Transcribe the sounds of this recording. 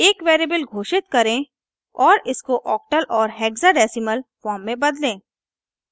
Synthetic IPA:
eːkʋeːɾibəlɡʱoːʃɪt̪̚kɐɾẽ | ɔːɾɪskoʔɔːk̚ʈəlʔɔːɾɦɛːɡzaɖɛːsɪməlfɔːɾmːẽbɐd̪lẽː

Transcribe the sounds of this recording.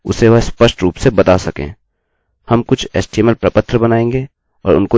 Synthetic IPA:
ʊ̰seʋɐɦspəʃʈɾuːpsebɐt̪asɐkḛ̃ː | hɐmkʊt͡ʃʰɛ̰ːsʈeːməlpɾəpət̪ʰɾəbɐnaːẽːŋɡe | ɔ̰ːɾʊ̰nko

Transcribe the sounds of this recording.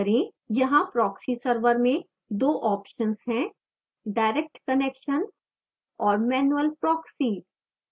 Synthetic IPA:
ɾẽ | jɐɦãpɾɔːksisɐɾʋəɾmẽ | d̪oːʔɔːpʃənsɦɛ̃ | ɖaːɪɾek̚ʈkɐneːkʃən | ɔːɾmɛːnuəlpɾɔːksiːɖ

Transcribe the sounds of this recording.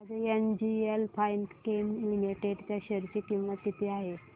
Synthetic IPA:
ad͡zeend͡ʑielpʰajnt̪kemlimiʈeɽt͡ɕjaɕəɾt͡ɕikĩwʋat̪ːit̪ʰeaɦe

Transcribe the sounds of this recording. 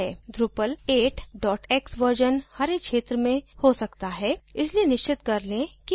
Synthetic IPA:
ɛːd̪ɾupəleːʈɖɔːʈeːksʋəɾd͡ʒənhɐɾekʃeːt̪ɾəmẽhosɐkt̪aɦɛːɪslienɪʃt͡ʃɪt̪kɐɾlẽki

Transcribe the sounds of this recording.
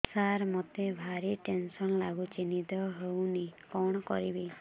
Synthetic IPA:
saɾmɔt̪ebʱaɾiʈensɔnlaɡut͡ʃinit̪ɔɦewnikɔɽ̃ɔkɔ̰ɾibi

